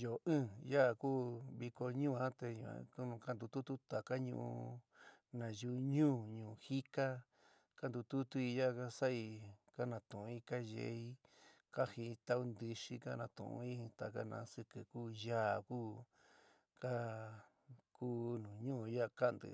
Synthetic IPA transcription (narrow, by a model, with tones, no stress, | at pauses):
jo˨ʔɨ̃ː˦˨ja˦ʔkuː˦βi˧ko˧ɲũː˦˨ã˦t̪e˧ɲṵ̃˨ã̰˧ku˦ũ˧ka˦nd̪u˧t̪u˦t̪u˦t̪a˨ka˦ɲṵ̃˧ʔṵ̃˧ | nã˨ju˧ɲũː˦˨ɲũː˨hi˦ka˦ | ka˦nd̪u˧t̪u˦t̪u˦i˧ja˦˧ka˦sa˦i˧ka˦nã˨t̪ũ˨˧i˦ka˦ʒḛ˧˦i˦ | ka˦hi˧t̪a˦u˧nd̪ɨ˧ʂi˧ka˦nã˧t̪ṵ̃˨ṵ̃˧i˦t̪a˨ka̰˦nã̰˧˦sɨ˧kɨ˨kuː˦ja˦˨kuː˦ | ka˦ | kuː˦nũ˨ɲũ˦˧ja˦˧ka˦nd̪ɨ̰˨